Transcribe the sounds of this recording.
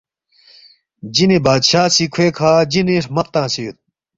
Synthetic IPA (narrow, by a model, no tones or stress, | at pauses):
d͡ʑinebaːd̪ɕaːsikʰweːkʰaːd͡ʑineʂmɐpt̪ãːsijut̪̚